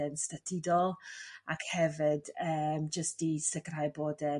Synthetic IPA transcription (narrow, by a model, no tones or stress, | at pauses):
ɛnstatʰɪdɔlˠakhɛvɨdəːmd͡ʒəstisɪkrajboːdə